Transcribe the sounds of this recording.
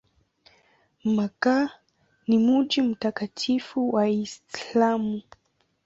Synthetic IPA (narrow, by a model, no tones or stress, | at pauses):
maka | nimud͡ʒim̩takatʰifuwaislamu